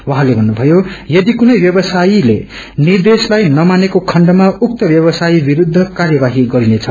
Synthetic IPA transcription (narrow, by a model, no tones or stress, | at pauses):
wʌɦalebʱʌnːubʱʌjojʌd̪ikunʌjbjʌbʌsailḛ | nird̪eslajnʌmanekokʰʌɳɖʌmauk̚t̪ʌbjʌβʌsajibiɾud̪ʱːʌkarjʌbaɦiɡʌɾinet͡sʰʌ